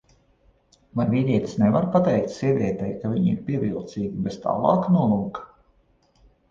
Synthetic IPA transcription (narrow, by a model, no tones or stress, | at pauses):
vajvʲid̪ʲiɛt̪ʲi̥snevaɾpat̪ɛjkt̪siɛvʲiɛt̪ɛjkavʲiɲiɾpʲiɛvʲilˠt̪siːɡʲibest̪a̰ːlˠɑ̰ːknuɔlˠuːk